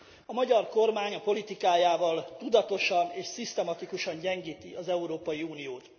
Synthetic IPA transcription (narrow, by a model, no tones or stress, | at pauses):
ɒmɒɟɒrko̞rmaːɲɒpo̞lit̪ikaːjaːvɒlt̪ud̪ɒt̪o̞ʃɒneːʃsist̪ɛmɒt̪ikuʃɒɲɟɛŋɡiːt̪iʔɒzɛuɾoːpɒjiuːnijoːt̪